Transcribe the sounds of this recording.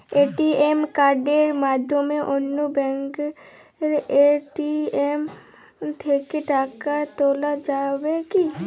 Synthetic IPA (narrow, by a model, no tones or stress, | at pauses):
eːʈiemkaːɾɖeɾmaːd̪ʱjomẽʔʊnːobɛ̃ŋk | ɾeʈiem | t̪ʰeːkeʈaːkat̪oːlad͡ʒaːweki